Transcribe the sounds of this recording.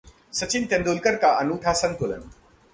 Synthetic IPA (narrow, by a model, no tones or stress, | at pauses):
sɐt͡ʃint̪end̪ulkɐɾkaʔɐnuʈʰasɐnt̪olɐ̰n